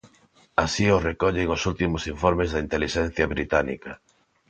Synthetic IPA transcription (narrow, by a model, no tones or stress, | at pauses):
asiorekɔʎeŋosult̪imosiɱfoɾmezðɐint̪eliʃɛn̟θjɐβɾit̪anḭkɐ